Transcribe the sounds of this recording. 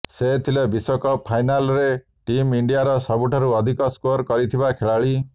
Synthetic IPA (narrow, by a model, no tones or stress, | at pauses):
set̪ʰilebisɔkɔpʰajnalɔɾe | ʈimiɳɖijaɾɔsɔbuʈʰɔɾuɔd̪ʱikɔskoɾkɔɾit̪ʰibakʰeɭaɭi